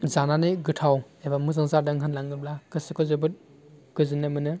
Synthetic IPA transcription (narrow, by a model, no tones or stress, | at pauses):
zananɯɡɯtʰaw | ebamɯzaŋzaɾdɯŋɦɯnlaŋɡɯb̚lakɯsɯkʰɔzɯbɯt̚ | ɡ̥ɯzɯnɯmɯnɯ